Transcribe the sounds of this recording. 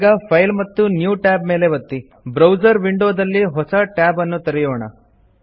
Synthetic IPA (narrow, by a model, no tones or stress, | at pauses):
ɡɐpʰɐjlmɐt̪ːunjuːʈaːb̚me̞ːle̞ʋɐt̪ːi | bɾɐwd͡ʒɐɾʋiɳɖoːd̪ɐlːiɦɔsɐʈaːbɐnːut̪ɐɾɛjoːɳɐ̰